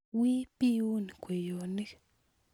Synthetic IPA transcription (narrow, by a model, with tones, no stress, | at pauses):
wi˦pi˦u˦ni˨kʷe˨jo˨ni˦k